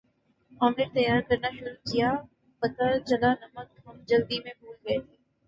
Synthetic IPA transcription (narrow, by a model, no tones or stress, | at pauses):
aːmlɪːɾt̪ɐjaːɾkɐɾnaʃʊɾutʰijaː | pɐt̪at͡ʃɐlaːnɐməkɦɐmd͡ʒɐld̪imẽbuːlɡɐet̪ʰiː